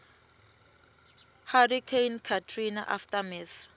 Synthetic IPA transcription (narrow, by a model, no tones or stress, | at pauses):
harikʰejnkʰatʰrina̰ʔa̰ftʼamiθ